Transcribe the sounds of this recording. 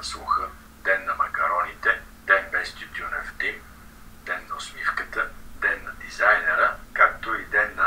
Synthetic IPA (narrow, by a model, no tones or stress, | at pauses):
slˠuxə | d̪ɛnːɐmɐkɐɾɔnit̪ɛ | d̪̥ɛnbɛst̪ut̪ionɛft̪im | d̪̥ɛnːɐʊsmifkət̪əd̪ɛnːɐd̪izajnɛɾəkakt̪oid̪ɛnːɐ